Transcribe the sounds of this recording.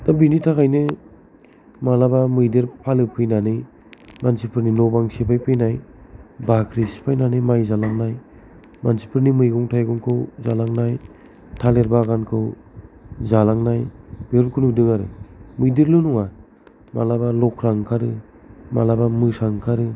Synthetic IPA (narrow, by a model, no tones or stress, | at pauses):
dabinitʰakajnɯ | malabamɯjdiɾpʰalɯpʰɯjnanɯ | mansipʰɯɾninɔbaŋsepʰajpʰɯjnajbakʰɾisi̥pʰajnanɯmajzalaŋnaj | mansi̥pʰɯɾnimɯjɡɔŋtʰajɡɔŋkʰɯwzalaŋnaj | tʰaleɾbaɡankʰɯw | zalaŋnajb̥eɔɾkʰɯnudɯŋaɾɯ̰mɯjdiɾlɯnuŋa | malabalɔkʰɾaŋkʰaɾɯ | ma̰labamɯsaŋkʰaɾɯ